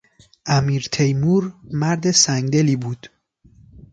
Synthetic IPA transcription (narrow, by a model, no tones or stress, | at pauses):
ʔæmiːɾt̪ʰejmuːɾmæɾd̪e̞sæŋɡd̪e̞liːbuːd̪̥